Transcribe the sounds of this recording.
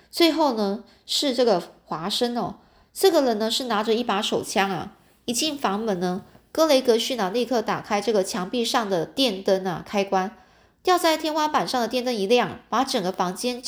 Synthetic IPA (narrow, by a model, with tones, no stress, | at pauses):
t͡swe˥˧ɪxo˥˩ʊnə˩ | ʂɻ̩˥˧ʈ͡ʂɤ˥˩ɡə˩xwa˧˥ʂə˥nɐ˨˩ | ʈ͡ʂɤ˥˩ɡə˩ɻə˧˥nnə˧ʂɻ̩˥˩na˧˥ʈ͡ʂə˧i˥˩pa˧˥ʂo˨˩ʊt͡ɕʰjɑ˥ŋɐ̰˩ | i˧˥˩t͡ɕi˥˩nfɑ˧˥ŋmə˨˩nnə˧kɤ˥le˧˥ɪkɤ˧˥ɕy˥˩nə˨˩li˥˧kʰɤ˥˩t̪a̰˨˩kʰa˥ɪʈ͡ʂɤ˥˩ɡə˩t͡ɕʰjɑ˧˥ŋpi˥˧ʂɑ˥˩ŋd̪ə˩t̪jɛ˥˩nt̪ə˥nɐ̰˨˩kʰa˥ɪkwa˥n | t̪jɑ˥˧ʊt͡sa˥˩ɪt̪ʰjɛ˥nwa˥pa˨˩nʂɑ˥˩ŋd̪ə˩jɛ˥˧nt̪ə˥ni˧˥ljɑ˥˩ŋpa˧˥ʈ͡ʂɤ˨˩ŋɡə˦fɑ˧˥ŋt͡ɕjɛ˥n